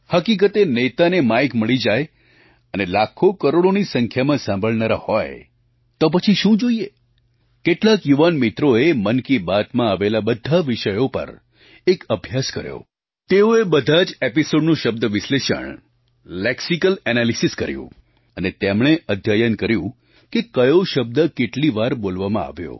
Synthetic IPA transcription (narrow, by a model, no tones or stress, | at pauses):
həkik̬ət̪enet̪anemajkməɭid͡ʒaj | ənelakʰokəɾoɽonisəŋkʰjamãsãmbʱəɭnaɾahɔj | t̪op̬ət͡ʃʰiʃũd͡ʒoije | keʈlakjuʋanmit̪ɾoemənkibat̪mãːʋelabəd̪ʱaʋiʃəjopə̰ɾ | ekəbʱjaskə̰ɾjo̰ | t̪eoebəd̪ʱad͡ʒepisoɖnũʃəb̚d̪əʋɪsleʃə̰ɳ | lɛksikəlɛnalisiskəɾjṵ̃ | ənet̪emɳ̃eʔəd̪ʱjajənkəɾjũ | kekəjoʃəb̚d̪əkeʈliʋaɾbolʋamã̰a̰ʋjo̰